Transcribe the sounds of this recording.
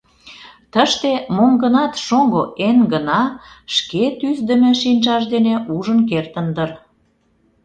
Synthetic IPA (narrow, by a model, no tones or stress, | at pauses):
t̪əʃt̪emoŋɡənɑt̪ʃoŋɡoʔenɡənɑʃket̪yzd̪ə̆mĕʃinʲʒɑʃd̪eneʔuʒənkert̪ənd̪ər